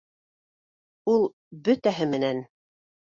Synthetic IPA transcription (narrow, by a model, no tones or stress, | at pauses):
ulˠ | bɵt̪æɦɘmɘ̆næn